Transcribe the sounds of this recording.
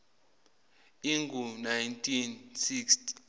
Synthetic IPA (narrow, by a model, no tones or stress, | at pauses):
iŋɡʱunajntʰinsikstʰi̥